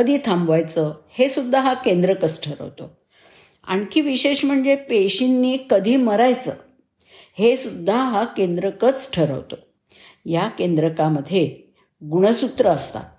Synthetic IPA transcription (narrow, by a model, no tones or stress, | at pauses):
əd̪ʱiːt̪ʰãmbʋajt͡səhesud̪ʱːaɦakend̪ɾəkət͡sʈʰəɾə̰ʋt̪o̰ | a̰ɽ̃kiːʋiɕeɕm̤əɳd͡zepeɕinːiːkəd̪ʱiːməɾajt͡səː | hesud̪ʱːaɦakend̪ɾəkət͡sʈʰəɾə̰ʋt̪o̰ | jakend̪ɾəkaməd̪ʱːje | ɡuɽ̃əsut̪ɾəːst̪a̰